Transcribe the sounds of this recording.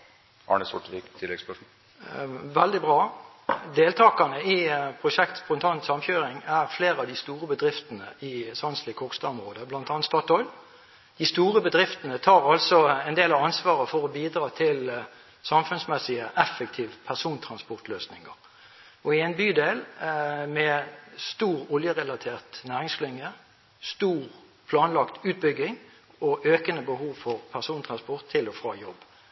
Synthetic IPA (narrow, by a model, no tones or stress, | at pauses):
ɑ̰ːɳəsɔ̰ʈʋikt̪ʰɪlːɛɡspɛ | ʋɛld̪ɪbʁɑː | d̪eːlt̪ʰɑːkɑnəɪpʰʁʊʃɛkt̪pɔnt̪ʰɑːnt̪sɑmçøːʁɪŋæʁfleːʁɑʋd̪ɪst̪uːʁəbəd̪ʁɪft̪ənə̰ɪsɑnslɪkʰɔkst̪ɑɔmʁoːd̪əblɑnt̪ɑnt̪st̪ɔt̪hɔʏl | d̪̥ɪst̪uːʁəbəd̪ʁɪft̪ənət̪ʰɑːʁɑlsɔɛnd̪eːlɑʋɑnsʋɑːʁəfɔʁɔbiːd̪ʁɑːt̪ʰɪl | sɑmfʉnsmɛsɪəʔɛfək̚t̪ʰiːʋpʰæʁsuːnt̪ʰɾɑnspɔʁt̪løːsnɪŋə̰ʁ | ɔɪɛnbyːd̪eːlmɛst̪uːʁɔljəʁɛlɑt̪ʰeːʁt̪næːʁɪŋslɪŋə | st̪uːʁ | pʰlɑːnlɑkt̪ʉːt̪̚bʏɡɪŋ | ɔʔøːkənəbəhuːʋfɔʁpʰæʁsuːnt̪ʰʁɑnspɔʁt̪ʰːɪlɔfɾɑ̰ːjɔb